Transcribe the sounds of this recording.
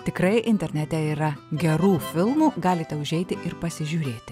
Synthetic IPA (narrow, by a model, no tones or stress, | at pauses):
t̪ʲɪkɾɐɪʔɪnʲt̪ʲɛɾʲnʲɛt̪ʲɛiːɾɐɡʲɛɾuːfʲɪlˠmuːɡɑːlʲɪt̪ʲɛʊʒʲɛɪt̪ʲɪʔɪɾpɐsʲɪʒʲuːɾʲeːt̪ʲɪ